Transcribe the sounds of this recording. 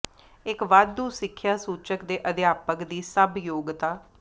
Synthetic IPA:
ɪkʋaːd̪ːuːsɪkʰːjaːsuːt͡ʃəkd̪eːʔəd̪jaːpəkd̪iːsəbjoːɡt̪aː

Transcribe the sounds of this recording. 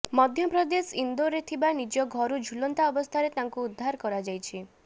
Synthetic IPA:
mɔd̪ʱjɔpɾɔd̪esind̪oɾet̪ʰibanid͡ʒɔɡʱɔɾud͡ʒʱulɔnt̪aɔbɔst̪ʰaɾet̪aŋkuːd̪ʱːaɾkɔɾad͡ʒajt͡ʃʰi

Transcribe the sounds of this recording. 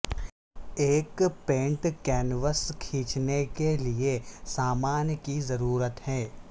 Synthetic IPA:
eːkpẽːɳʈkɛːnʋəskʰĩːt͡ʃnekeliesaːmaːnjəkizɐɾuːɾət̪ɦɛː

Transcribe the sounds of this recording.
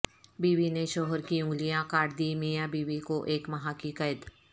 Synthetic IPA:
biːʋineʃɔːɦəɾkiʊ̃ŋɡlijãkaːɽd̪iːmijãbiːʋikoʔeːkmɐɦakikəd̪

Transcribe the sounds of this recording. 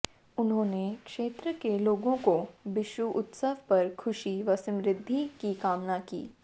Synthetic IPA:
ʊnɦõːnekʃeːt̪ɾəkeloːɡõkobɪʃwuʔʊt̪səʋpɐɾkʰʊʃiʋɐsəmɾɪd̪ʱːikikaːmnakḭː

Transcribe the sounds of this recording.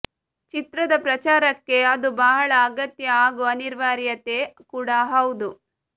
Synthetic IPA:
t͡ʃit̪ɾɐd̪ɐpɾɐt͡ʃaːɾɐkːe̞ɐd̪ubɐɦɐɭɐːɡɐt̪jɐaːɡuɐniɾʋaːɾjɐt̪ekuːɽaɦɐwud̪u

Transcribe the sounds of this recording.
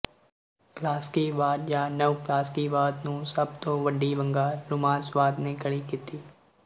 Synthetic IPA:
klaːskiʋaːt̪jaːnəʋklaːskiʋaːt̪nũsɐb̚t̪õːʋəɖiʋə̃ŋɡaːlʊmaːsʋaːt̪nekəɽikit̪iː

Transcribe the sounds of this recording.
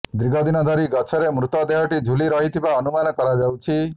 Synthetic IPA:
d̪ɾiɡʱɔd̪inɔd̪ʱɔɾiɡɔt͡ʃʰɔɾemɾut̪ɔd̪eɦɔʈid͡ʒʱuliɾɔɦit̪ʰibaɔnumanɔkɔɾad͡ʒawt͡ʃʰi

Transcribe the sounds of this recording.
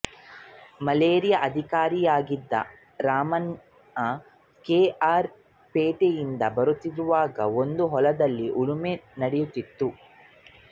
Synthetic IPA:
mɐleːɾijɐʔɐd̪ʱikaːɾijaːɡid̪ːɐ̰ | ɾaːmɐn | ɐ | keːaːɾ | peːʈejind̪ɐbɐɾut̪ːiɾuʋaːɡɐ̰ond̪uɦɔlɐd̪ɐlːiʔuɭumenɐɽɛjut̪ːit̪ːu

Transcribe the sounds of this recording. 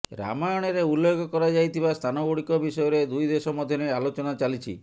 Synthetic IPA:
ɾa̰majɔɽ̃eɾeulːekʰɔkɔɾad͡ʒajt̪ʰibast̪ʰanɔɡoɽikɔbisɔjɔɾed̪ujd̪esɔmɔd̪ʱjɔnealot͡ʃɔnat͡ʃalit͡ʃʰi

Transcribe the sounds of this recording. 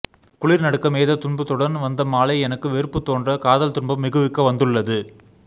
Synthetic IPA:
kʊɭɪɾnɐɽɯkːɐmeːðɐt̪ʊɳbɐt̪ːɔɽɐnʋɐnd̪ɐmaːlɐɪɛnɐkːɯʋeɾɯpːɯt̪ːoːndrɐkaːðɐlt̪ʊɳbɐmːɪɣɯʋɪkːɐʋɐnd̪ɯɭːɐðɯ

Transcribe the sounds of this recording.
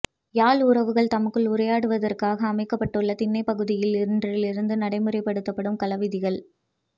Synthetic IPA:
jaːlʊɾɐʋɯɣɐɭt̪ɐmɐkːɯɭʊɾɐjaːɽɯʋɐðɐrkaːɣɐːmɐɪkːɐpːɐʈːɯɭːɐt̪ɪnːɐɪpɐɣɯðɪjɪlɪɾɯndrɪlɪɾɯnd̪ɯnɐɽɐɪmɯɾɐɪpːɐɽɯt̪ːɐpːɐɽɯmkɐlɐʋɪðɪɣɐɭ

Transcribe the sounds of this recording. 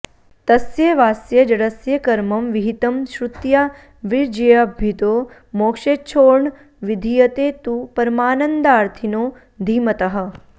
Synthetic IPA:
t̪ɐsjeʋaːsjɐd͡ʒɐɽɐsjɐkɐɾmɐmʋiɦit̪ɐmʃɾut̪ja | ʋiɾd͡ʒɐjɐbʱit̪oː | moːkʃet͡ʃʰoːɾɳ | ʋid̪ʱijɐt̪eːt̪upɐɾmaːnɐnd̪aːɾt̪ʰinoː | d̪ʱiːmɐt̪ɐɦɐ̆

